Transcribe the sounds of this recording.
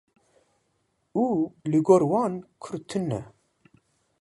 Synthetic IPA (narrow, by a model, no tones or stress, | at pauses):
uliɡoɾwɑːnkʰʊɾt̪ʰɨnːɛ